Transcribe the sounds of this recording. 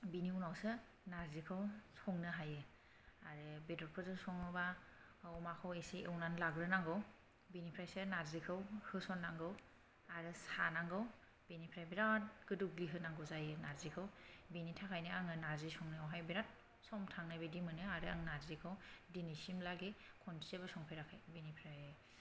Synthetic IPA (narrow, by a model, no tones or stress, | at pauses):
biniunawsɯ | naɾzikʰɯwsɔŋnɯɦajɯ | aɾɯbedɔɾkʰɯzɯsɔŋɯba | ɔmakʰɯwesiewnanlaɡɾɯnaŋɡɯw | binipʰɾajsɯnaɾzikʰɯwhɯsɔnːaŋɡɯw | aɾɯsanaŋɡɯw | b̥enipʰɾajbiɾat̚ɡ̥ɯduɡliɦɯnaŋɡɯwzajɯnazikʰɯwbinitʰakʰajnɯaŋɯnazisɔŋnɯawɦajbiɾat̚ | sɔmtʰaŋnabedimɯnɯaɾɯa̰ŋnaɾzikʰɯwdinisimlaɡekʰɔnsʰiebasɔŋpʰeɾakʰajbinipʰɾaj